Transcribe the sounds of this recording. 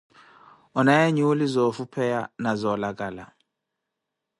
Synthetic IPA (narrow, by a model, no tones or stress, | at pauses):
ɔnajaɲulizɔfupʰɛjanazɔlakʼaːla̰